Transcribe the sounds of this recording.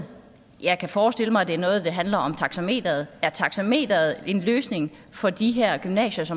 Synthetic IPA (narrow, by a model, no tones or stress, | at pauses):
jɑ̈ɪkʰæfɒːsd̥e̝l̰əmɑ̈ɪæd̥e̝æɐnɔ̽ːð̞̩ˠd̥eɦænlɐʔɒ̽mt͡sʰɑ̈ɡ̥sæme̝̰ːd̥ɐð̞̩ˠæɐt͡sʰɑ̈ɡ̥sæme̝̰ːd̥ɐð̩ˠe̝nløːsne̝ŋ | fɒ̽d̥iɦeɐ̰ɡ̥ymnɛ̰ːɕɐsɒ̽m